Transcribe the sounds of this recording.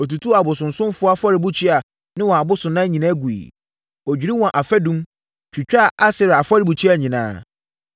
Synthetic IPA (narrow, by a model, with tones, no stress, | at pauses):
ɔ˨tu˨tʰu˦a˨bʊ˨sʊ̃˨n˨sʊ̃˦m˦fʊ˨˦a˦fa˦ɾɪ˨bu˦t͡ɕʰi˦a˨ | nɪ̃˦wɔ̃˨a˨bʊ˦sʊ̃˨nã˦ɲĩ˨nã˦ɡu˨ḭ˨ | ɔ˨d͡ʑᶣi˨ɾi˦wɔ̃˨ʔa˨fɛ˦dũ˦m | t͡ɕᶣi˨t͡ɕᶣa˦˨ʔa˦sɪ˨ɾa˨fa˦ɾɪ˨bu˨t͡ɕʰᶣi˦a˨ɲĩ˨nã̰ː˦